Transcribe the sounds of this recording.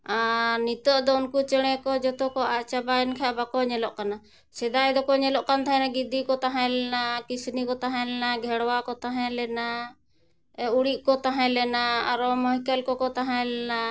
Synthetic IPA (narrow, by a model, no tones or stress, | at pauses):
anit̪ɔʔd̪ɔunkut͡ʃɛɽ̃ɛ̃kɔd͡ʒɔt̪ɔkɔaʔt͡ʃabaɛnkʰaʔbakɔɲɛlɔʔkana | sɛd̪ajd̪ɔkɔɲɛlɔʔkant̪aɦɛ̃naɡid̪ikɔt̪aɦãlɛnakisnikɔt̪aɦãlɛnaɡʱɛɽwakɔt̪aɦɛ̃lɛna | uɽiʔkɔt̪aɦɛ̃lɛnaaɾɔmɔɦikɛlkɔkɔt̪aɦãlɛna